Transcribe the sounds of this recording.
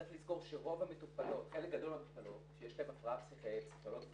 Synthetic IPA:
atlizko̞ʁʃeʁo̞vametupalo̞t̪χelek̚ɡad̪o̞lmamt̪upalo̞tʃejeʃlaemafʁaapsiχepsi̥χoloɡ

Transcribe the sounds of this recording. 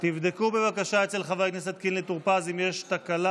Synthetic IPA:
t̪ivd̪ekube̞vakaʃaet͡se̞lχavajknese̞t̪kinlet̪uʁpazimjeʃt̪akala

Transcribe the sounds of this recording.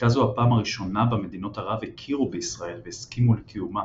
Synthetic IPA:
tazuhapaːmaʁiʃo̞nabame̞d̪ino̞thaʁavekʰiʁubeisʁae̞lveːskimulekʰijuma

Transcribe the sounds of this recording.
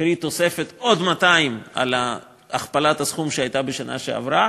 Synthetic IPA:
ɾit̪o̞se̞fe̞t̪o̞d̪mat̪aima̰la | aχpalat̪hasχumʃeajt̪abeʃanʔa̰ʃea̰vɾa

